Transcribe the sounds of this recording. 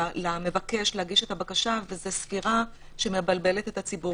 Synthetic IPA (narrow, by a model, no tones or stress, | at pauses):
lame̞vake̞ʃlehaɡiʃe̞t̪abakaʃavezesfiʁa | ʃe̞me̞balbe̞le̞t̪e̞tat͡sibu